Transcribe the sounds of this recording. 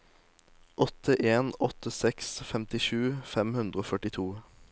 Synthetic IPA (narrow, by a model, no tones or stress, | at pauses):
ʔɔt̪ʰəʔeːnɔt̪ʰəsɛksfɛmt̪ɪʃʉːfɛmhʉnd̪ɾəoːfœʈɪt̪ʰuː